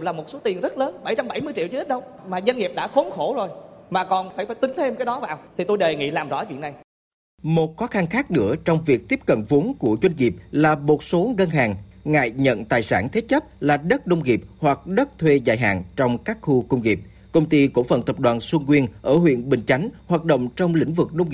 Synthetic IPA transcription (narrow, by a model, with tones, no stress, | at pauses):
laː˨˩mo˨˩t̚so˨˦t̪i˨˩ənzə˦˥t̚ləː˨˦nɓa˧˩jt͡ɕa˧mɓa˧˩jmɨ˧ət͡ɕḭ˧˨wt͡ɕːʔi˦˥t̚ɗə˧wŋ͡mmaː˨˩za˧ŋi˨˩p̚ɗa̰ː˧˥xo˨˦ŋ͡mxo˧˩zo˨˩jmaː˨˩kɔ˨˩nfaː˧˩faː˧˩jt̪ï˨˦ŋt̪ʰe˧mkaː˨˦jɗɔ˨˦vaː˨˩wt̪ʰi˨˩t̪o˧jɗe˨˩ŋḭ˧˥laː˨˩mzɔ̰˧˥˨vḭ˧˨əna˨˩j | mo˨˩t̚xɔ˨˦xa˧nxaː˦˥k̚nɨ̰˧˥ət͡ɕɔ˧wŋ͡mvi˨˩ək̚t̪i˦˥əp̚kə̰˧˨nvu˨˦ənku˧˩əzwa˧jŋ̟ŋi˨˩p̚laː˨˩mo˨˩t̚so˨˦ɣə˧nɦaː˨˩ŋŋa̰ː˧˨jɲə̰˧˨nt̪aː˨˩jsaː˧˩nt̪ʰe˨˦t͡ɕə˦˥p̚laː˨˩ɗə˦˥t̚ɗə˧wŋ͡mŋi˨˩p̚hwa˨˩k̚ɗə˦˥t̚t̪ʰwe˧za̰ː˧˩jɦa̰ː˨˩ŋt͡ɕɔ˧wŋ͡mkaː˦˥k̚xu˧kə˧wŋ͡mŋi˨˩p̚ | kə˧wŋ͡mt̪i˧ko˧˩fə̰˨˩nt̪ə˨˩p̚ɗwaː˨˩nswi˧nkwi˧ənʔəː˧˩ɦwḭ˧˨ənɓï˨˩ŋ̟t͡ɕa˨˦jŋ̟hwaː˨˩t̚ɗo̰˧˨wŋ͡mt͡ɕɔ˧wŋ͡mlḭ̈˧˥ŋ̟vɨ˨˩k̚ɗə˧wŋ͡m